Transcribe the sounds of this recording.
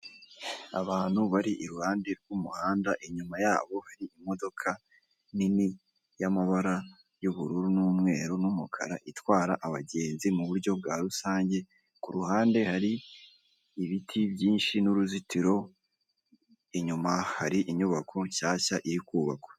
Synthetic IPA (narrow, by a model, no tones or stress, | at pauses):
a̰βaːn̥huβaɾiʔiɾuhaːnde̞ɾɡumuhaːndaʔiɲumajaːβo̞haɾiimo̞do̞kʰa | nini | jamaβaɾa | juβuɾuɾunuːmŋe̞ːɾunumukʰa̰ɾa̰ʔitwaːɾaʔaβa̰ɟe̞ːnzimuβuɾɟo̞b̚ɡaɾusaːɲɟe̞ | kuɾuɦaːnde̞haɾiː | βitʰibjiːnʃinuɾuzitiɾo̞ | iɲumahaɾiʔiɲuβakʰo̞ɲʃaːçaʔiɾikuːβa̰kwe̥